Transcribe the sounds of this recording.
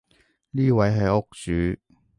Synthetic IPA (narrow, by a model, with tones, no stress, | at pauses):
liː˥˧wa˨˧jɦɐ˨˩jʊ˦˥k̚t͡syː˨˦